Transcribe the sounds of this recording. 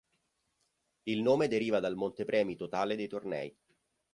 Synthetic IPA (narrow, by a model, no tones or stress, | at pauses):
ilnoːmed̪eɾiːvad̪almont̪epɾɛːmit̪ot̪aːled̪ejt̪ornɛ̰ːj